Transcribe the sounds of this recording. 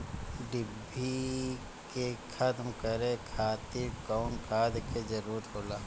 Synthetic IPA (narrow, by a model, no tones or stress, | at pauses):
ɖɪbʱːi | kekʰɐt̪mkəɾẽkʰaːt̪ɪɾkɔːnkʰaːd̪kezɐɾuːɾt̪ɦoːlaː